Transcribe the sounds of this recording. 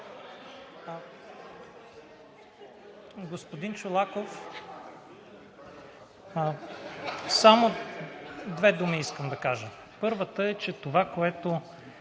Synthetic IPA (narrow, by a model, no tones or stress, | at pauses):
ɡospod̪int͡ʃʊlˠakof | samo | d̪vɛd̪umiiskəmd̪ɐkaʒə | pɤɾvət̪əɛt͡ʃɛt̪ovakoɛt̪o